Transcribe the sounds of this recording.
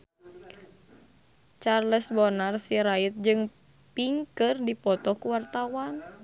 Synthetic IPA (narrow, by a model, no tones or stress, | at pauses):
t͡ʃarləsbɔnarsiɾait̪̚d͡ʒɨŋ | piŋkɨrdipɔt̪ɔhkuwart̪awan